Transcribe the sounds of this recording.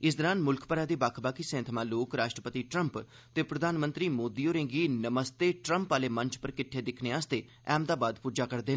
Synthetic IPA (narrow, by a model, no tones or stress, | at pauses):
ɪs̬d̪əɾaːnmʊlkʰpəɾaːd̪iːbaːkʰbaːkiːsẽːnt̪ʰəmãːloːkɾaːʃʈɾəpət̪iːʈɾəmp | t̪eːpɾəd̪ʱaːnmənt̪ɾiːmoːd̪iːoːɾẽːŋɡiːnəməst̪eːʈɾəmpaːleːmə̃ɲt͡ʃpəɾkɪʈʰːeːd̪ɪkʰneːaːst̪eː | ɛːmd̪aːbaːd̪puːd͡ʒaːkəɾd̪eː